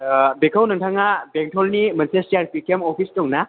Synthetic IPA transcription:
bekʰawnɐŋtʰaŋabeŋtʰɔlnimɐnsestiaɾpʰikemɔpʰistɔŋna

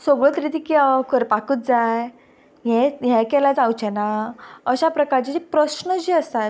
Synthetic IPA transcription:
soɡɭət̪ɾit̪iːkiakʰəɾpakuːt̪̚d͡zaj | ɦɛ̃ɦɛ̃kɛlad͡zawt͡ɕɛnaəɕapɾəkaɾt͡ɕit͡ɕipɾəɕnəd͡ʑiːəst̪at̪

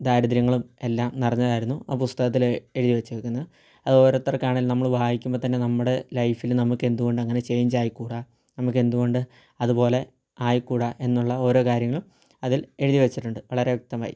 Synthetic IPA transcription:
d̪aːɾud̪ɐɾjɐŋːɐɭume̞lːaːmnirɐɲːɐðaːjiɾunːuaːpust̪ɐɣɐt̪ːile̞ɻuðiʋɐt͡ɕːuʋekʲːunːɐðɨ | ɐðo̞ːɾo̞ːt̪ːɐrɐkːaːɳɐilnɐmːɐɭbʱaːhikʲːumboːt̪ɐnːe̞nɐmːuɽe̞lɐjfilnɐmukːe̞nd̪uɣo̞ɳɖɨɐŋːɐne̞t͡ɕejɲd͡ʑaːjkːuːɽa | nɐmuk̬ːe̞nd̪uɣo̞ɳɖɨ | ɐðupo̞ːle̞ | aːjkːuːɽaʔe̞nːuɭːɐo̞ːɾo̞ːkaːɾjɐŋːɐɭum | ɐðile̞ɻuðiʋet͡ɕːiʈːuɳɖɨʋɐɭɐɾeʋjɐk̚t̪ɐma̰ːjḭ

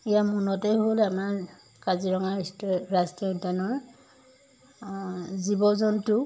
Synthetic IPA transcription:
ijamunɔtɛɦolamaɹ | kaziɹɔŋaɹstɹaskiɔdanɔɹ | zibɔzɔntʊ

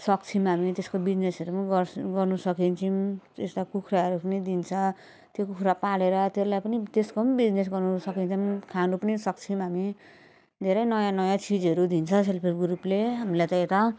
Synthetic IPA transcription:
sʌkt͡sʰimɦamit̪eskobid͡znesʌɾumnɡʌɡʌrnusʌkint͡sʰimest̪akukʰɾaɦʌɾupʌnid̪int͡sʰʌ̃ | t̪jokukʰɾapaleɾʌt̪elajpʌnit̪eskombid͡znes̬ɡʌrnusʌkinʰʌmkʰanupʌnisʌk̚t͡sʰimɦami | d̪ʱeɾʌjnʌjãnʌjãt͡sʰid͡zʌɾud̪int͡sʰʌ̃s̬elpʰirɡɾupleɦamilajt̪ʌet̪ʌ

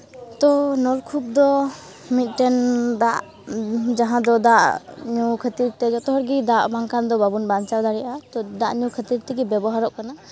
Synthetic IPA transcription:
t̪ɔnɔlkʰup̚d̪ɔ | mit̪̚ˀʈɛnd̪aʔ | d͡ʒaɦãd̪ɔd̪aʔɲukʰət̪iɾt̪ɛd͡ʒɔt̪ɔɦɔɾɡid̪aʔmaŋkand̪ɔbabunbant͡ʃaɾd̪aɽɛjʔat̪ɔd̪aʔɲukʰət̪iɾt̪ɛɡɛbɛbɔɦaɾɔʔkana

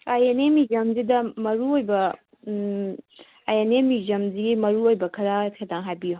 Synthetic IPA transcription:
ɐjɐnemid͡ʒɐmzid̪ɐmɐɾuojbɐ | ɐjɐnemid͡ʒɐmzimɐɾuojbɐkʰɐɾatkʰedaŋɦabijo

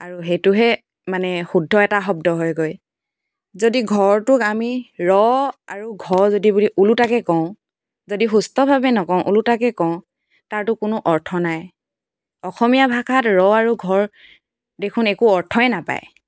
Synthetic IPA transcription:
aɹuɦetʊɦɛ | manɛxudʱːɔɛtaxɔb̚dɔɦɔjɡoj | zodiɡʱɔɹtʊkamiɹɔa̰ɹuɡʱɔɹzodibuliʔulutakɛkɔ̃ʊ̃ | zodixustɔbʱabɛnɔkɔ̃ʊ̃ʔulutakɛkɔ̃ʊ̃ | taɹtʊkʊnʊʔɔɹtʰɔnaj | ɔxɔmijabʱakʰatɹɔaɹuɡʱɔɹ | dekʰunekuɔɹtʰɔɛnapa̰j

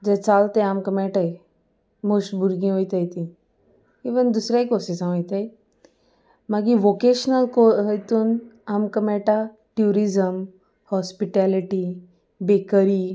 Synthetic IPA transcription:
d͡zɛt͡salt̪ɛ̃amkəmeʈaj | mosʈbʱuɾɡĩɦojt̪əjt̪ĩ | iʋənd̪usɾajkosisãəjt̪aj | maɡiʋokeɕnəlkoɦjt̪uːnamkəmɛʈa | ʈjuɾizəm | hɔspiʈaliʈi | bekəɾi

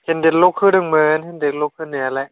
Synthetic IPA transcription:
hendek̚lokʰːɯːdɯŋmɯːnendek̚lokʰːɯːnɯalaʔ

